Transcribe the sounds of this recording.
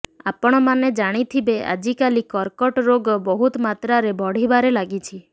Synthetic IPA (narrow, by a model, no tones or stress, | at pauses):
a̰pɔɽ̃ɔmaned͡ʒaɽ̃it̪ʰibea̰d͡ʒikalikɔɾkɔʈɾoɡɔbɔɦut̪mat̪ɾaɾebʱɔɽ̤ibaɾelaɡit͡ʃʰi